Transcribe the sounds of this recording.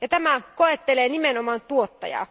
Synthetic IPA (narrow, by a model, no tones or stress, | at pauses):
jɑt̪æmækoet̪ːeleːnimenomɑnt̪uot̪ːɑ̰jɑ̰